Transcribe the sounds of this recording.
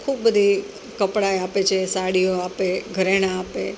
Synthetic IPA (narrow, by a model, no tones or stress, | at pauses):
kʰuːbbəd̪ʱi | kəpɽajapet͡ʃʰesaɽijoapeɡʱəɾeɽ̃aːpḛ